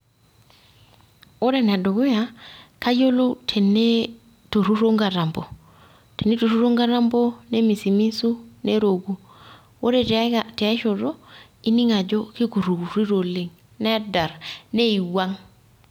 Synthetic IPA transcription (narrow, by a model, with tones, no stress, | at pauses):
o˦ɾe˨na˨do˨ɡo˦ja˨ka˦jo˦lu˦tʰe˨nːe˦ | to˨ɾu˦ɾo˦ŋɡa˨ɾa˨mbo˨ | te˨nːe˦to˨ɾu˦ɾo˦ŋɡa˦ɾa˦mbo˦ne˦mi˨si˨mi˦su˦ne˦ɾo˨ɡu˨ | wo˦ɾe˦˨tte˨a˦ʃo˨ɾo˦ | i˦ni˦ŋa˨d͡ʒo˦ki˦ku˨ɾu˨ɡu˨ɾi˦ɾo˨li˨ŋ | ne˦da˨ɾne˦i˨wa˦ŋ